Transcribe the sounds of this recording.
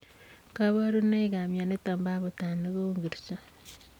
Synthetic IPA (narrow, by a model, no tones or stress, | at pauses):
kaβoɾuneiɡamjanetaːmbaβutaniɣouŋɡiɾisa